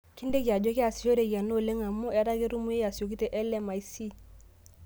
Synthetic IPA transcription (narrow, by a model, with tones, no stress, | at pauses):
ki˦ndɛ˦ki˨a˨d͡ʒo˦ki˦a˨si˨jo˦ɾe˨ja˨no˦˨le˦ŋa˨mu˦ɛ˦ɾa˦ke˦ɾu˦mu˦je˦ja˨si˨jo˨k̬i˦tɛ˨ʔɛ˦lɛ˦ma˨i˦si˦